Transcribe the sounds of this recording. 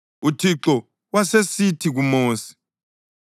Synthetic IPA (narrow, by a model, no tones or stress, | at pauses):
utʰiǁɔ | wasesitʰiɣumoːsi̥